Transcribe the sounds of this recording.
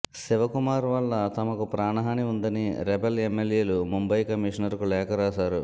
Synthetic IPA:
siʋɐkumaːɾʋɐlːɐt̪ɐmɐkupɾaːɳɐɦaːniund̪ɐniɾɛbelemːeljeːlumumbɐjkɐmiːʂɐnɐɾkulɛːkɐɾaːsaːɾu

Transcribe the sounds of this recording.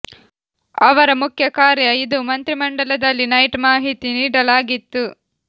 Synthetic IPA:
ɐʋɐɾɐmukʰjɐkaːɾjɐid̪umɐnt̪ɾimɐɳɖɐlɐd̪ɐlːinɐjʈmaːɦit̪iniːɽɐlaːɡit̪ːu

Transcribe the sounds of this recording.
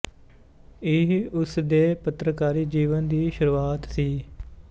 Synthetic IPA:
ɪɦʊsd̪eːpət̪ɾəkaːɾiːd͡ʒiːʋənd̪iːʃʊɾuːaːt̪siː

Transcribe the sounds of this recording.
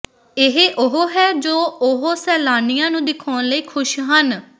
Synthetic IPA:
ɪɦeʔʊɦoɦɛːd͡ʒoːʊɦosɛːlaːnijãːnũːd̪ɪkʰɔːnləiːkʰʊʃɦən

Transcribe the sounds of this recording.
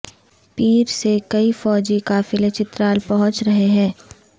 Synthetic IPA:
piːɾsekɐifɔːd͡ʒikaːfɪlɐt͡ʃɪt̪ɾaːlpɐɦʊ̃t͡ʃɾɐɦeɦɛ̃ː

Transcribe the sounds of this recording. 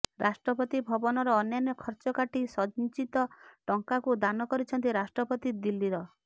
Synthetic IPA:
ɾʔasʈɾɔpɔt̪ibʱɔbɔnɔɾɔːnjanjɔkʰɔɾt͡ʃɔkaʈisɔd͡ʒnit͡ʃit̪ɔʈɔŋkakud̪anɔkɔɾit͡ʃʰɔnt̪iɾasʈɾɔpɔt̪id̪ilːiɾɔ

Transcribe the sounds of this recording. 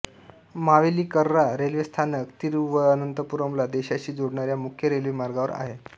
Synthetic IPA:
maʋeliːkəɾːaɾelʋist̪ʰanəkt̪iːɾʋəːnənt̪əpuɾəmlad̪eɕaɕiːd͡zoɽɳaɾjamukʰjəɾelʋimaɾɡaʋəɾa̰ɦe

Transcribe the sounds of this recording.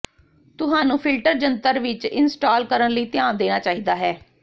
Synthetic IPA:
t̪ʊɦaːnũːpʰɪlʈəɾd͡ʒənt̪əɾʋɪt͡ʃɪnsʈaːlkəɾənləiːt̪ɪjaːnd̪eːñaːt͡ʃaːɦiːd̪aːɦɛː

